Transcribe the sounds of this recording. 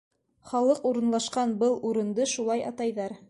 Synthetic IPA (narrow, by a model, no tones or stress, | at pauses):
χɑlˠɤquɾɤ̆nlˠɑʃqɑnbɤlˠuɾɤ̆nd̪ɤʃulˠɑjɑ̰t̪ɑjðɑɾ